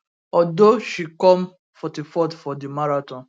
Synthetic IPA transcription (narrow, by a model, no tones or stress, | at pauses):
ɔdoʃikɔ̃m | fɔtifɔtfɔdimaɾatɔ̃n